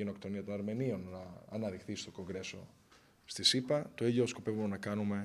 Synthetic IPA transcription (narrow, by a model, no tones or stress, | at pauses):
eno̞kt̪o̞niɐt̪o̞nɐɾme̞nio̞nːɐːnɐðixθist̪o̞ko̞ŋɡɾe̞so̞̰ | st̪isipɐt̪o̞iʎosko̞pe̞vumenɐkɐnume̞